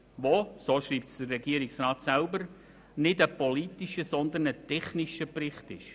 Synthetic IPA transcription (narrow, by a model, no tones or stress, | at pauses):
ʋosoːʃɾiːp̚tsd̥ərːɛɡiəɾiksrɑːt̪sælbəɾ | nɪdəpolit̪iʃəsɔnd̪ənətɛχniʃəprɪχtɪ̰ʃ